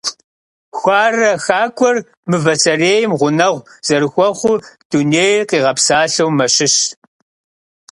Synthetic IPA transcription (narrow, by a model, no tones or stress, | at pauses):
xʷaːrɐxaːkʷʰʼɔr | mɨvɐsɐreːjɪmʁʷʊnɐʁʷz̥ɐɾɨxʷɔχʷʊd̥uneːjqiːʁɐpsaːɬɐwmɐɕɪɕ